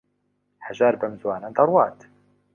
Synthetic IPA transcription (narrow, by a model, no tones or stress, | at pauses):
haʒaːɾbɐmzwaːnɐd̪ɐrˤwɑːt̪